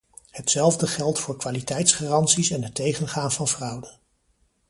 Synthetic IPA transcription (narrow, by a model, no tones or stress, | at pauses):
hətsɛlˠvdəχɛlˠtfʊːɹkʋaːlitɛjtsχaːrɑntsisɛnɦətːejχənχaːnvɑnvrɑwdə